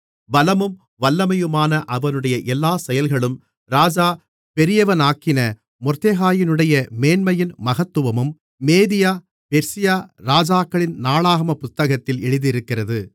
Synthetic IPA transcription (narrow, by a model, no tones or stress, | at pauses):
bɐlɐmɯm | ʋɐlːɐmɐjɯmaːnɐʔɐʋɐnɯɽɐjɐʔɛlːaːsɛjɐlɣɐɭɯm | ɾaːd͡ʒaː | pɛɾɪjɐʋɐnaːkɪnɐ | mɔɾt̪eːɣaːjɪnɯɽɐjɐmeːnmɐjɪnmɐɣɐt̪ːɯʋɐmɯmː | eːðɪjaː | pɛɾsɪjaːɾaːd͡ʒaːkːɐɭɪnnaːɭaːɣɐmɐpʊt̪ːɐɣɐt̪ːɪlɛɻɯðɪɾɯkːɪrɐðɯ